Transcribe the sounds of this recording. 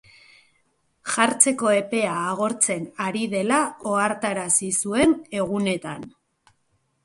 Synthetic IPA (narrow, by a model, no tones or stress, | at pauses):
ʝaɾt͡se̞ko̞e̞pe̞aːɣo̞ɾt͡se̞naɾiðe̞lao̞aɾt̪aɾasisue̞ne̞ɣ̞une̞t̪an